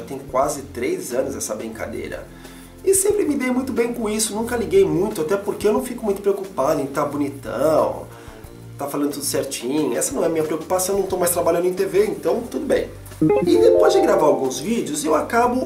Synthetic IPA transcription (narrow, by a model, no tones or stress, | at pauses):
at̪ẽj̃kwazɪt̪ɾejzɐ̃nʊzɛsɐbɾĩka̰d̪ḛjɾɐ̰ | ɪsẽmpɾɪmɪd̪ejmũj̃t̪ʊbẽj̃kõisʊnũkɐliɡejmũj̃t̪ʊat̪ɛpoɾkeewnɐ̃w̃fikʊmũj̃t̪ʊ̥pɾeokupad̪ʊẽj̃t̪abonit̪ɐ̰̃w̃ | t̪afalɐ̃ndʊt̪ud̪ʊsɛɾt͡ʃĩɲʊɛ̰sɐnɐ̃ɛɐmĩɲɐpɾeoku̥pasɐ̃ẽwnɐ̃w̃t̪owmajst̪ɾabaʎɐ̃nd̪ʊẽt̪eveẽnt̪ɐ̃w̃t̪ud̪ʊbḛ̃j̃ | ĩd̪epɔzd͡ʒɪɡɾavaɾawɡũzvid͡ʒɪʊzewakabʊ